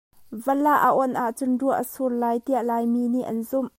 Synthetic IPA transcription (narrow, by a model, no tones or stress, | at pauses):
vəlaʔaʔɔnʔaʔt͡sʊnruəʔəsurlaːjt̪iəʔlaːjminiʔɐnzʊm